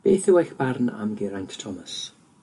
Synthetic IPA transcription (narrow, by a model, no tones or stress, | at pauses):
b̥eːθɪwajxb̥arna̰mɡɪɾanttʰɔməs